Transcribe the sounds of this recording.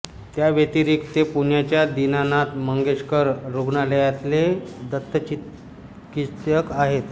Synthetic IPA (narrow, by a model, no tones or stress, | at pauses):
t̪jaʋet̪iɾiːkt̪epuɳjat͡ɕjad̪inanat̪məŋɡeʂkəɾɾuɡɳaləjat̪led̪ət̪ʰːət͡ɕi | kit̪jəkaɦet̪